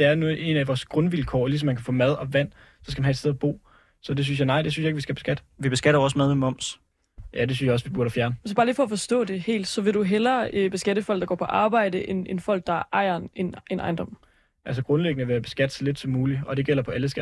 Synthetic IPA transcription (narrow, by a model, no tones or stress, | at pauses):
d̥e̝æɐnoe̝̰næʋɒːsɡ̥ʁɔ̽nʋilkʰɒ̰ːlis̬ɒ̽mːænkʰæfɔ̰ːmæð̞ˠɒ̽ʋæn̰ | sɒ̽sɡ̥æmænhæed̥sd̥eð̞ˠɐb̥o̝̰ː | sɒ̽d̥e̝synsjɑ̈ɪnɑ̈ɪd̥es̬ynsjɑeɡʋisɡ̥æb̥e̝sɡ̥æd̥ʋib̥e̝sɡ̥æɾɐʋɒːsmæð̞ˠmemɒ̽m̰s | jʔæd̥e̝synsjɑɒ̽sʋib̥uɐɾɐfjæɐnəesb̥ɑ̈ːliːfɒ̽fɒ̽sd̥ɔ̰ːd̥e̝he̝̰ːld̥sɒ̽ʋe̝ɾ̥uɦelɐøb̥e̝sɡ̥æɾ̥əfɒ̽l̰ɡ̥d̥ɡ̥ɒ̰ːpʰɒ̽ʔɑ̈ːb̥ɑ̈ɪ̰d̥əʔe̝ne̝nfɒ̽l̰ɡ̥̚d̥ɑ̈ʔɑ̈ɪ̰ɐnenenʔɑ̈ɪnd̥ɒ̽m̰ | ʔælsəɡ̥ʁɔ̽nleɡ̥ənəʋeːɐb̥e̝sɡ̥æd̥sɒ̽led̥sɒ̽mːuːliɒ̽d̥e̝ɡ̥el̰ɐpʰɒ̽ʔæləsɡ̥æ